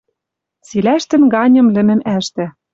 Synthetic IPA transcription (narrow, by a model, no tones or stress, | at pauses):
t͡silæʃt̪ɘ̆nɡɑnʲɤ̆mlɘ̆mɘ̆mæʃt̪ɘ̆